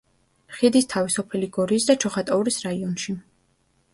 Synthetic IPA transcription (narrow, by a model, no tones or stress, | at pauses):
χid̪ist̪ʰavisɔpʰɛliɡɔɾiːsd̪at͡ʃʰɔχat̪ʼauɾisɾaiɔnʃi